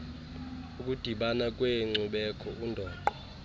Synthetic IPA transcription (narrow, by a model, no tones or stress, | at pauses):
uk̬ʼud̥ʱiɓanak̬ʼweŋ͡ǀuɓɛkʰɔundʱɔːǃɔ